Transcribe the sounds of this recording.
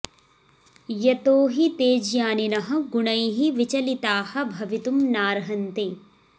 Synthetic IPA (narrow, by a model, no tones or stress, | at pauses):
jɐt̪oːɦit̪eːd͡ʒjaːninɐɦɐ̆ɡuɳɐjɦiʋit͡ʃɐlit̪aːhɐ̆bʱɐʋit̪umnaːɾɦɐnt̪eː